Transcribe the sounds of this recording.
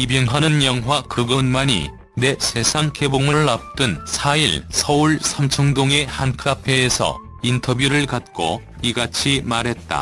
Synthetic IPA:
ibjʌŋwanɯnjʌŋɦwakɯɡɯnmaɲḭ | ne̞sʰe̞sʰaŋkʰeboŋɯɭːap̚t͈ɯnsʰaiɭsʰʌuɭsʰamt͡ɕʰʌŋdoŋe̞hankʰɯɾapʰeːsʰʌ̰ | intʰʌbjuɾɯɭkat̚k͈o̰ | iɡat͡ɕʰimaɾɦe̞t̚t͈a̰

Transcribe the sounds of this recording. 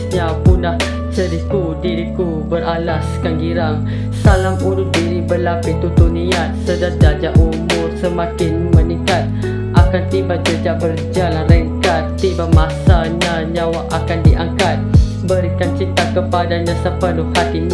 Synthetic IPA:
ɲapunlah | t͡ʃəɾikudiɾiku | bəɾalaskaŋɡiɾaŋ | salamuɾʊs̚diɾibəlapɪt̪ut̪uniat̪̚sədard͡ʒad͡ʒaʔumʊrsəmakɪnməniŋkat̪̚ | ʔakant̪ibad͡ʒəd͡ʒaʔbərd͡ʒalanrəŋkat̪ːibamasaɲaɲãwaʔakandiʔaŋkat̪̚ | bəɾikant͡ʃit̪akəpadaɲãsəpənʊhhat̪iɲ

